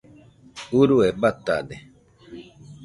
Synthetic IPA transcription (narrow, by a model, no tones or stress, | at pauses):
uɾuebat̪a̰de